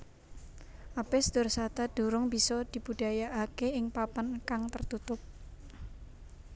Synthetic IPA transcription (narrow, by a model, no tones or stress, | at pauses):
ʔapesd̪̥ʊrsat̪ad̪̥uɾʊŋb̥isɔd̪̥i̤bud̥ajaʔakeɪŋpapankaŋt̪ərt̪ut̪ʊp̚